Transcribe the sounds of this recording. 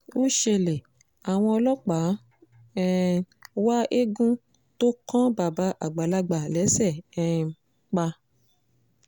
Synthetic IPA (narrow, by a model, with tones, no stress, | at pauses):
o˦ʃe˧le˨ | a˨w̃ɔ̃˧ɔ˧lɔ˦k͡pa˨˦ | ɛ˦wa˦ʔe˦ɡũ˦ | to˦kã˦ba˨ba˧˦ʔa˨ɡ͡ba˨la˧ɡ͡ba˨lɛ˨˦sɛ˦˨ɛ˨˧ | k͡pa˧